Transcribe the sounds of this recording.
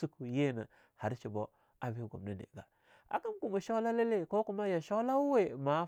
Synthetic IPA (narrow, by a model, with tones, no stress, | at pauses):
su˦ku˨je˦˨na̰˨ | ha˨ɾt͡ʃi˨bo˦ | a˨bi˦ɡo̰˨mna˦nḛ˨ɡa̰˨ | a̰˨ka˦mku˨ma˨ʃa˦la˦le˦le˦˨ko˦ku˦ma˦ja˨ʃo˦la˦we˦ma˨˦